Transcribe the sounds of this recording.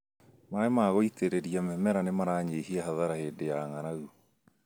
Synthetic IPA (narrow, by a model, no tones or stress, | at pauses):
maemaɣoiteɾeɾiamɛmɛɾanemaɾaːɲehiahaðaɾaheːdejaŋaɾaɣu